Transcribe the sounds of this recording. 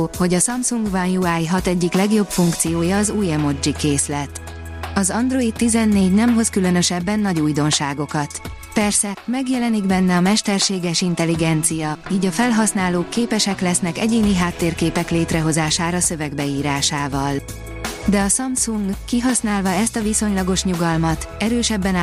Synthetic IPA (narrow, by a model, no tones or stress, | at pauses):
ho̞ɟɒsɒmsuŋɡvɒnjuaːjɦɒt̪ɛɟːiklɛɡjo̞pfuŋkt̪sijoːjɒːzuːjɛmo̞d͡ʒikeːslɛt̪ | ɒzɒnd̪ro̞it̪t̪ːizɛnːeːɟnɛmɦo̞skylø̞nø̞ʃɛbːɛnːɒɟuːjd̪o̞nʃaːɡo̞kɒt̪ | pɛrsɛmɛɡjɛlɛniɡbɛnːɛɒmɛʃt̪ɛrʃeːɡɛʃint̪ɛliɡɛnt̪sijɒiːɟɒfɛlɦɒsnaːloːkːeːpɛʃɛklɛsnɛkɛ̰ɟeːniɦaːt̪ːeːrkeːpɛkleːt̪rɛɦo̞zaːʃaːɾɒsø̞vɛɡbɛiːɾaːʃaːvɒl | d̪ɛɒsɒmsuŋɡkiɦɒsnaːlvɒɛst̪ɒviso̞ɲlɒɡo̞ʃɲuɡɒlmɒt̪ɛɾøːʃɛbːɛn